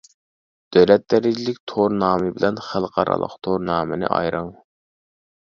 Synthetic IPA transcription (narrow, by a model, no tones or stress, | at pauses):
d̪̥øwlɛt̪̚d̪ɛɾɪd͡ʒilɪkʲt̪ʰoɾnɑːmɨbɪlɛnχælˠqʰɑɾɑ̰lˠə̰qt̪ʰoɾnɑːmɪnɪ̰ʔɑ̰jɾəŋ